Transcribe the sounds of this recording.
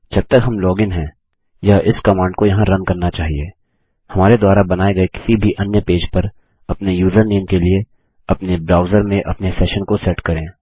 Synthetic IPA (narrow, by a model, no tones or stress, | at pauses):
d͡ʒɐb̚t̪ɐkɦɐmlɔːɡɪ̃nɦɛ̃ː | jaʔɪskɐmãːɳɖkojɐɦãɾɐ̃nkɐɾnat͡ʃaːɦieː | hɐmaːɾed̪waːɾabɐnaːeɡɐekɪ̥sibʱiʔɐnjəpeːd͡ʒpɐɾ | ɐpnejuːzəɾneːmkelie | ɐpnebɾaːʊzəɾmẽʔɐpnesɛːʃənkosɛːʈkɐɾẽː